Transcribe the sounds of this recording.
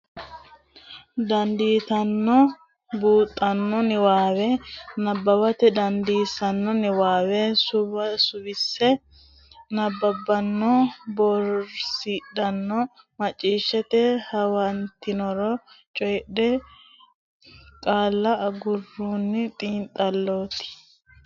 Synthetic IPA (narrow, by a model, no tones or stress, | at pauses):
d̪ɐnd̪iːt̪ɐnːɔ | buːt̪ʼːɐnːɔnɪwaːwɛnɐbːɐbɐt̪ɛd̪ɐnd̪iːsɐnːɔnɪwaːwɛsʊbɐsʊbɪsːɛ | nɐbːɐbːɐnːɔbɔɾsiᶑɐnːɔ | mɐt͡ʃʼːiːʃːɛt̪ɛhɐwɐnt̪ɪnɔɾɔt͡ʃʼɔjɗɛ | kʼaːlːɐʔɐɡʊrːuːnːɪt̪ʼiːnt̪ʼɐlːoːt̪ɪ̥